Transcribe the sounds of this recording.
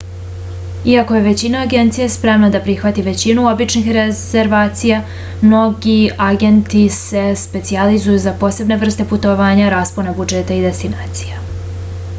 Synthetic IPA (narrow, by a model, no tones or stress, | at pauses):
iako̞je̞ʋe̞t͡ɕinaːɡe̞nt̪sijaspɾe̞mnad̪apɾixʋat̪iʋe̞t͡ɕinuo̞bit͡ʃnixɾez̥eɾʋaːt̪sija | mno̞ɡiaɡent̪ise̞spe̞t̪sializujuzapo̞ːse̞bne̞vr̩st̪e̞put̪oʋaːɲaɾaːspoɾnabud͡ʒe̞t̪aid̪e̞st̪inaːt̪si̥ja